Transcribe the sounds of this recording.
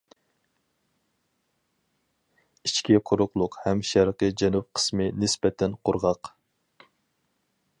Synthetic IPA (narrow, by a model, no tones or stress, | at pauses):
it͡ʃkʲiqʰʊɾʊqlˠʊqhɛmʃæɾqəd͡ʒɛnup̚qʰə̥smɨnɪspɛt̪ʰɛnqʰʊɾʁɑq